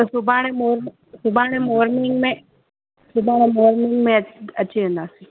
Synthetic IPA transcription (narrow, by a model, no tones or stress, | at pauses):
subaːɳemoːɾm | subaːɳemoːɾmiŋɡme | subaːɳemoːɾmiŋɡmeɐt͡ʃːiend̪aːsi